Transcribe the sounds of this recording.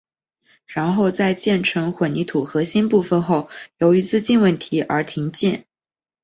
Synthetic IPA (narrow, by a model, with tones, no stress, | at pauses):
ɻa˧˥nxo˥˧ʊt͡sa˥˧ɪt͡ɕjɛ˥˩nʈ͡ʂʰɤ˧˥ŋxwə˨˩ni˧˥t̪ʰu˨˩xɤ˧˥ɕi˥npu˥˧fə˥˧nxo˥˩ʊjo˨˧˥ʊy˧˥t͡sɹ̩˥˧t͡ɕi˥˧nwə˥˩nt̪ʰi˧˥ʔə̰˞˧˥t̪ʰi˧˥ŋt͡ɕjɛ˥˩n